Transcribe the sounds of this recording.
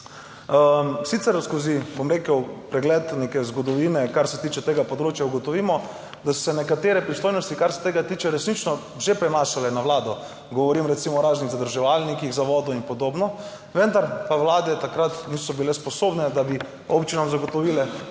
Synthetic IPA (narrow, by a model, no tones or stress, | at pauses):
əsit̪sɛɾskozibomɾeːkəwpɾɛɡlɛt̪nekɛzɡɔd̪ɔʋiːnɛkaɾsɛt̪iːt͡ʃɛt̪eːɡapɔd̪ɾoːt͡ʃjauɡɔt̪ɔʋimɔ | d̪asɔ̥sɛnɛkat̪eːɾɛpɾist̪oːjnɔst̪ikaɾsɛ̥t̪eːɡat̪iːt͡ʃɛɾɛsnit͡ʃnɔ | ʒepɾɛmaːʃalɛnaʋlaːd̪ɔ | ɡɔʋɔɾimɾɛt̪simɔɾaːzniɣzad̪əɾʒɛʋalnikiɣzaʋɔd̪ɔinpɔd̪obnɔ | ʋənd̪aɾpawlaːd̪ɛt̪akɾat̪niːsɔbilɛspɔsoːbnɛd̪abi | opt͡ʃinamzaɡɔt̪ɔʋilɛ